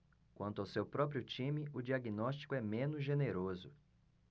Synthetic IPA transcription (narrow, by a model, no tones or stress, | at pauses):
kwɐ̃nt̪ʊawsewpɾɔp̬ɾiʊt͡ʃĩmɪʊd͡ʒiaɡinɔst͡ʃi̥kʊɛmẽnʊzʒeneɾozʊ